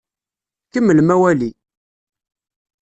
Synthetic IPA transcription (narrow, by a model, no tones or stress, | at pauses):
kəmːəlmæwæli